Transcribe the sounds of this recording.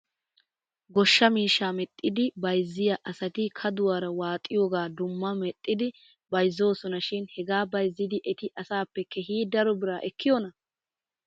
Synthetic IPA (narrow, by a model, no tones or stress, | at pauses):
ɡɔʃːɐmiːʃːaːmɛt̪ʼːɪd̪ɪbɐjzːɪjɐʔɐsɐt̪ɪkʰɐd̪ʊwaɾɐwaːt̪ʼːɪjoːɡaːd̪ʊmːɐmɛt̪ʼːɪd̪ɪ | bɐjzːo̞ːsɔnɐʃɪnhɛɡaːbɐjzːɪd̪ɪʔɛt̪ɪʔɐsaːpːɛkɛhiːd̪ɐɾɔbɪɾaːʔɛkːɪjɔnɐ